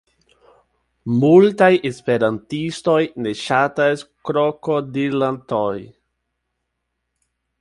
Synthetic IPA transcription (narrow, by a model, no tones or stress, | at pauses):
multajʔespeɾantisto̞jne̞ʃataskɾokodiɾlantoj